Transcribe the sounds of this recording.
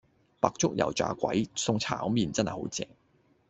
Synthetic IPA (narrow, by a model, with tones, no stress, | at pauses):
paː˨k̚t͡sʊ˥k̚jɐ̰˨˩wt͡ʃa̰ː˨˧kʷɐ̰˨˥jsʊ˧ŋt͡sʰaː˨˥miː˨nt͡sɐ˥nhɐ˨jho̰˨˥wt͡sɛ̰ː˧˩ŋ